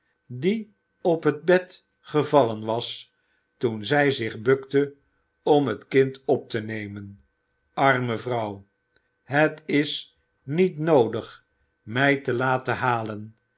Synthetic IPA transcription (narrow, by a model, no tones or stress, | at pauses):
di | ɔpɦəd̚bɛt | χəvɑlənʋɑs | tunzɛjzɪχbɵktə | ɔmɦətkɪntɔp̚tənejmən | ʔɑrməvrʌw | ɦətɪs | nitnowdəχ | mɛjtəlaːtəɦaːlən